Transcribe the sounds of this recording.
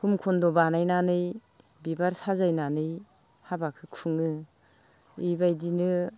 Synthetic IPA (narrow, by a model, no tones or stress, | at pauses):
humkʰɔndɔbanajnanɯj | bibaɾsazajnanɯj | habakʰɯkʰɯŋɯ | ibajdinɯ